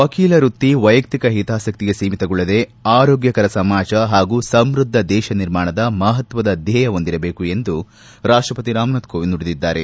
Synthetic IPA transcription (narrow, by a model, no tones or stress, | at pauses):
ʋɐkiːlɐɾut̪ːiʋɐjɐk̚t̪ikɐɦit̪aːsɐk̚t̪iɡe̞siːmit̪ɐɡuɭːɐd̪eaːɾoːɡjɐkɐɾɐsɐmaːd͡ʒɐɦaːɡuːsɐmɾud̪ʱːɐd̪ɛːʃɐniɾmaːɳɐd̪ɐmɐɦɐt̪ʋɐd̪ɐd̪jɐjɐo̞nd̪iɾɐbe̞ːkue̞nd̪u | ɾaːʂʈɾɐpɐt̪iɾaːmnɐt̪kʰoːʋinːuɽid̪id̪ːaːɾe